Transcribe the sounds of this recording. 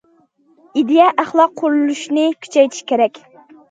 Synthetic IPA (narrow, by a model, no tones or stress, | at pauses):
id̪ejɛʔæχlˠɑqʰːoɾulˠuʃnɪkʲʰy̥t͡ʃʰɛjt̪ʰi̥ʃkʲʰeɾɛkʲ